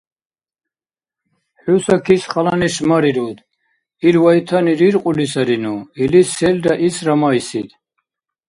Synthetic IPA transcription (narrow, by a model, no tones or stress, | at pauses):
ħusakʰisχʼalaniʃmaɾiɾud̪ | ilwait̪ʰaniɾiɾqʼulisaɾinuilisɛlɾaʔisɾamaisid̪